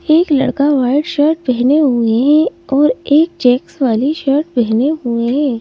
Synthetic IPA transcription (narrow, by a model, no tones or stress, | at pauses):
eːklɐ̰ɽkaʋaːɪɖʃəɾʈ̚bɛɦneɦueɦɛ̃ɔːɾeːk̚t͡ʃɛːksʋaːliʃəɾʈbɛɦneɦueɦɛ̃ː